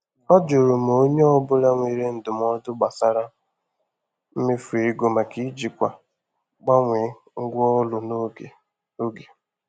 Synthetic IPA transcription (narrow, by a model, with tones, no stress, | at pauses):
ɔ˦d͡ʒo˨ɾo˨m˨o˦ɲe˦ɔ˦bʊ˦la˦ŋʷi˨ɾe˦n̩˨dʊ˨m˦ɔ˦dʊ˦ɡ͡ba˨sa˦ɾa˦ | m̩˦me˦fu˨i˦ɡo˨ma˨ki˦d͡ʒi˨kʷa˨ | ɡ͡ba˦ŋʷe˨˦ | ŋ̩˦ɡʷʊ˦ɔ˦lʊ˨no˦e˨ | o˦ɡe˨